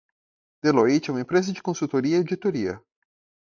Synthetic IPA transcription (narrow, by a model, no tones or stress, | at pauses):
d̪̥eloit͡ʃɛũmɐẽpɾezɐd͡ʒɪkõsut̪oɾiɐiwd͡ʒit̪oɾiɐ̰